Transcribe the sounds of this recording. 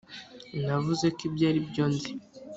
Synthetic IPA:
navuzekibɟaːɾibɟo̞ːnzi

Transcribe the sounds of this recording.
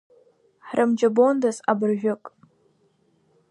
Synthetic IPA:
ħrʔɨmd͡ʒabondazabɨrʒᶣʊkʼ

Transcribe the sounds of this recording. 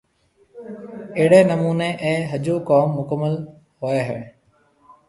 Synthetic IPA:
eɦɪɽeːnəmuːneːʔẽːɦəd͡ʒoːkaːmːʊkəmːəl | hoeːɦɛː

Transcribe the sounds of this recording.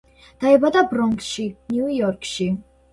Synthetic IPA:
d̪̥aɛbad̪abɾɔŋkʃinjujɔɾkʰʃi

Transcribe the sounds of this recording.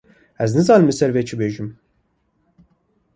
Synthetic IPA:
æznizalʲmisæɾvɛt͡ʃʰibeʒim

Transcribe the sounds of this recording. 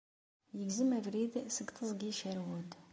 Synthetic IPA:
jəɡzəmævɾid̪səɡt̪ˤəzˤɡiʃæɾwud̪

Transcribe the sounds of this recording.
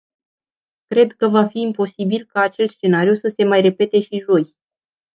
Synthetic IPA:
kɾe̞d̪kəvafiːmpo̞sibilkaːt͡ʃelt̪sʃt͡ʃe̞naɾijusəse̞majre̞pe̞t̪e̞ʃiʒo̞j

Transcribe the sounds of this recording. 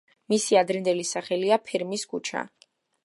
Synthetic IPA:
misiad̪ɾɛnd̪ɛlisaχɛliapʰiɾmiskʰut͡ʃʰa̰

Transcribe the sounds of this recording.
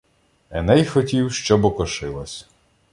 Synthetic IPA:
ɛnɛjxɔtʲiwʃt͡ʃɔbɔkɔʃɪlˠɐsʲ

